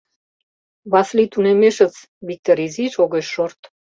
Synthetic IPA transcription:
βɑslit̪unemeʃət͡s | βik̚t̪oɾiziʃoɣeʃːort̪

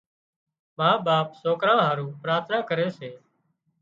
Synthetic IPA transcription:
maːɓaːpsoːkɾãːɦaːɾũːpɾaːt̪ʰnaːkəɾeːseː

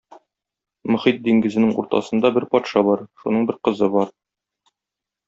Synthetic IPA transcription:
mɵ̆χit̪̚d̪iŋɡɘ̆zɘ̆nɘŋṵɾt̪ɑ̰sɤ̆nd̪ɑbɘɾpɒt̪ʃɑbɒɾʃunɤɴbɘɾqɤ̆zɤbɒɾ

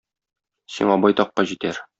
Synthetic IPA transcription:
sḭɴɒbɒjt̪ɒqːɑʑit̪æɾ

